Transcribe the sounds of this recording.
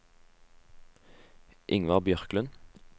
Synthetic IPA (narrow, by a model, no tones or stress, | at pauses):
ʔɪŋʋɑʁbjœʁklʉn